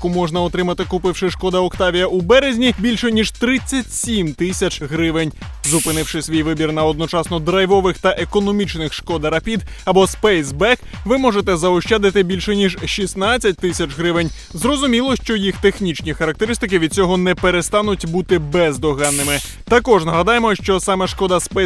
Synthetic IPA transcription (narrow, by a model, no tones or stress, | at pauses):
jkumɔʐnɐɔt̪ɾɪmɐt̪ɪkʊpɪwʃɪʃkɔd̪ɐɔkt̪ɑʋʲijɐubɛɾezʲnʲibʲilʲʃɛnʲiʒt̪ɾɪt͡sʲːɐtʲsʲimt̪ɪsʲɐt͡ʃɦɾɪʋɪnʲ | zʊpɪnɪwʂɪsʲʋʲijʋɪbʲirnɐɔd̪nɔt͡ʃɑsnɔd̪ɾɐjʋɔʋɪxt̪ɐʔekɔnɔmʲit͡ʃnɪxʃkɔd̪ɐɾɐpʲid̪ɐbɔspɛjsbɛkʋɪmɔʐet̪ɛzɐɔʃt͡ʃad̪ɪt̪ɪbʲilʲʃɛnʲiʒʃisnat͡sʲːɐt̚ʲt̪ɪsʲɐt͡ʃɦɾɪʋɪnʲ | zrɔzʊmʲilˠɔʃt͡ʃɔjixt̪exnʲit͡ʃnʲixɐɾɐk̚t̪e̞ɾɪst̪ɪkɪʋʲid̪̚t͡sʲɔɦɔnɛpeɾest̪ɑnʊtʲbut̪ɪbɛzd̪ɔɦɑnːɪmɪ | t̪ɐkɔʒnɐɦɐd̪ɑjemɔʃt͡ʃɔsɑmɛʃkɔd̪ɐspɛ